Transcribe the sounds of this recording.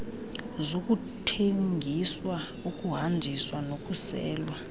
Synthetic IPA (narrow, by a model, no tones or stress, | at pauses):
zok̬ʼutʰeŋɡʱiswa | ukʼuɦand͡ʒʱiswanokʼusɛ̰ːlwa